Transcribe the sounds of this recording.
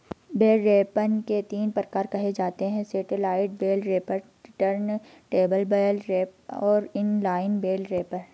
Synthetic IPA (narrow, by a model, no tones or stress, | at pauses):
beːlɾeːpənket̪iːnpɾəkaːɾkɐɦed͡ʒaːt̪eɦɛ̃seːʈɪlaːɪʈ̚beːlɾeːpəɾ | ʈəɾn | ʈeːbəlbeːlɾeːp̚ɔːɾɪnlaːɪnbeːlɾeːpən